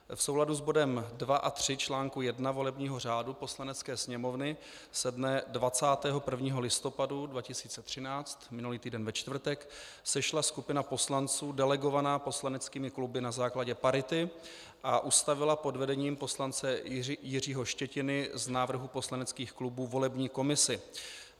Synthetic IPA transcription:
fso̞wladuzbo̞dɛmdvaʔat̪r̝̥ɪt͡ʃlaːŋkujɛdnavo̞lɛbɲiːɦo̞r̝aːdupo̞slanɛt͡skɛːsɲɛmo̞vnɪ | sɛdnɛdvat͡saːt̪ɛːɦo̞pr̩vɲiːɦo̞lɪst̪o̞padudvacɪsi̥ːt͡sɛt̪r̝̥ɪnaːt͡st̪mɪnuliːt̪iːdɛnvɛt͡ʃt̪vr̩t̪ɛk | sɛʃlaskupɪnapo̞slant͡suːdɛlɛɡo̞vanaːpo̞slanɛt͡skiːmɪklubɪnazaːklaɟɛpaɾɪt̪ɪ | ʔaʔust̪avɪlapo̞dvɛdɛɲiːmpo̞slant͡sɛjɪr̝iːɦo̞ʃcɛcɪnɪznaːvr̩ɦupo̞slanɛt͡skiːxklubuːvo̞lɛbɲiːko̞mɪsɪ

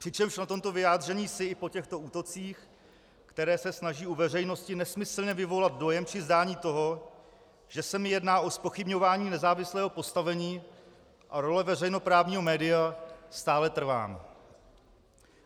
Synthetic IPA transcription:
pr̥ɪt͡ʃɛmʃnat̪o̞mt̪o̞vɪjaːd̪r̝ɛɲiːsɪɪpo̞cɛxt̪o̞uːt̪o̞t͡siːx | kt̪ɛɾɛːsɛsnaʒiːuvɛr̝ɛjno̞scɪnɛsmɪsl̩ɲɛvɪvo̞lad̪̚do̞jɛmprɪzdaːɲiːt̪o̞ɦo̞ | ʒ̥ɛsɛmɪjɛdnaːʔo̞spo̞xɪbɲo̞vaːɲiːnɛzaːvɪslɛːɦopo̞st̪avɛɲiː | ʔaɾo̞lɛvɛrɛjno̞pɾaːvɲiːɦo̞mɛːdɪjast̪aːlɛt̪r̩va̰ːm

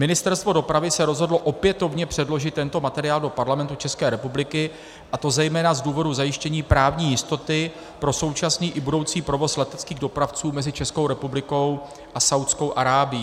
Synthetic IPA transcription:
mɪnɪst̪ɛɾst̪vo̞do̞pɾavɪsɛɾo̞zɦo̞dloʔo̞pjɛt̪o̞vɲɛpr̥ɛdlo̞ʒɪt̪ːɛnt̪o̞mat̪ɛɾɪaːldo̞paɾlamɛnt̪ut͡ʃɛskɛːɾɛpublɪkɪ | ʔat̪o̞zɛjmɛːnazduːvo̞duzajɪʃcɛɲiːpɾaːvɲiːjɪst̪o̞t̪ɪ | pɾo̞so̞wt͡ʃasniːʔɪbudo̞wt͡siːpɾo̞vo̞slɛt̪ɛt̪t͡skiːɣdo̞pɾaft͡suːmɛzɪt͡ʃɛsko̞wɾɛpublɪko̞w | ʔasawt̪sko̞wʔaɾaːbɪjiː

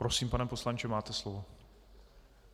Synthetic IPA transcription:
ɾosiːmpanɛposlaɲt͡ʃɛmaːt̪ɛslovo

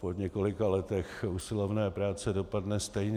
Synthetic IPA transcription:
poɲɛko̞lɪkalɛt̪ɛxusɪlovnɛːpɾaːt͡sɛdo̞padnɛst̪ɛjɲ

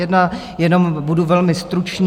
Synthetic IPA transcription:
ɛdna | jɛno̞mbuduvɛlmɪst̪ɾut͡ʃɲ

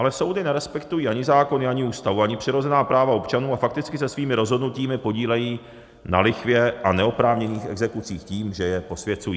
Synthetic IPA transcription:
ʔalɛso̞wdɪnɛɾɛspɛkt̪ujiːʔaɲɪzaːko̞nɪaɲɪuːst̪avuaɲɪpr̝̥ɪɾo̞zɛnaːpɾaːvao̞pt͡ʃanuːafak̚t̪ɪt͡skɪsɛsviːmɪɾo̞zɦo̞dnuciːmɪpo̞ɟiːlɛjiː | na̰lɪxvjɛʔanɛo̞pɾaːvɲɛniːxɛ̰ɡzɛkut͡siːxciːmʒɛjɛpo̞svjɛt͡sujiː

